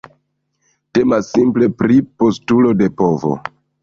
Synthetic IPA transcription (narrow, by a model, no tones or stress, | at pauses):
te̞masːimple̞pɾipo̞stulo̞de̞po̞vo̞̰